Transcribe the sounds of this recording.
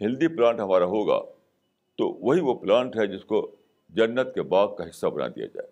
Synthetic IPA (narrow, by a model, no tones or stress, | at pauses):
hɪld̪iplãːɳʈɦɐmaːɾaɦoːɡa̰ː | t̪o̰ʋɐɦiʋoplãːɳʈɦɛd͡ʒɪsko | d͡ʒɐnːət̪kebaːɡ̪̚kaɦɪsːabɐna̰d̪ḭa̰d͡ʒa̰ːe